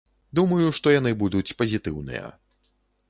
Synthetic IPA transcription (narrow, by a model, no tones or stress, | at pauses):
d̪umɐjuʂt̪ɔjanɨbud̪ut͡sʲpɐzʲit̪ɨwnɨ̰jɐ̰